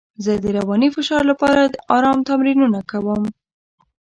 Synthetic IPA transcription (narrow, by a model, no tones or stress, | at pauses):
zəd̪əɾawɑnifɪʃɑɾlapɑɾad̪əɑɾɑmt̪amɾinunakawəm